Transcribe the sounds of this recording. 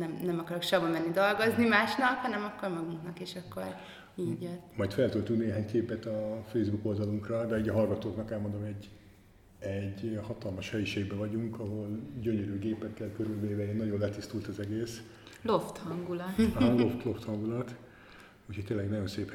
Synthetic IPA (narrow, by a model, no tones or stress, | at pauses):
nɛmnɛmɒkɒɾokʃɒbɒmɛnːid̪o̞lɡo̞znimaːʃnɒkhɒnɛmɒkːormɒɡuŋknɒkeːʃɒkːo̞̰r | iːɟjɛt̪ːmɒjt̪fɛlt̪ult̪ukneːɦaːɲkeːpɛt̪ɒfejzbuko̞ld̪ɒluŋkrɒd̪ɛiːɟɒɦɒlɡɒt̪oːknɒkɛlmo̞nd̪omɛɟ | ɛɟhɒt̪ɒlmɒʃhɛjiʃeːɡ̚bɛvɒɟuŋkɒɦolɟøɲøɾyːɡeːpɛkːɛlkøɾylveːvɛeːnɒɟo̞nlɛt̪ist̪ult̪ɒzɛɡeːs | loft̪hɒŋɡulɒt̪loft̪lo̞ft̪hɒŋɡulɒt̪ | ucʰhoc̚ʲt̪eːlɛɡnɒɟo̞nseːp